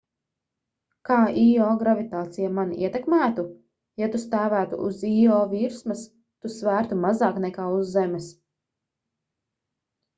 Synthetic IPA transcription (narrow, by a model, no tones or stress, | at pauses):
kaːʔiɔːɡɾavit̪aːt̪sijamanḭɛt̪ɛkmæːt̪u | jat̪ust̪æːvæːt̪ṵʔṵziɔːviɾsmɐs | t̪usvæːɾt̪umazaːknɛkaːuzːɛmɛs